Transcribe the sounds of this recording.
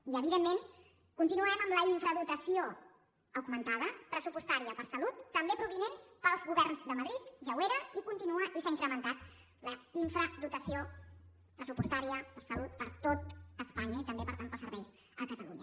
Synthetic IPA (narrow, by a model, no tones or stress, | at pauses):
iəβiðemːen | kunt̪inuɛməmləiɱfɾəðut̪əsio | əɡmənt̪að̞əpɾəsupust̪aɾiəpəɾsəlut̪ːəmbepɾuβinenpəlˠzɣuβɛrnzðəməðɾit̪ʒəweɾəikunt̪inuəʔisaiŋkɾəmənt̪at̪ | ləiɱfɾəd̪ut̪əsio | pɾəsupust̪aɾiəpəɾsəlut̪̚pəɾt̪ot̪əspaɲəit̪əmbepəɾt̪anpəsəɾβɛjz | əkət̪əlṵɲə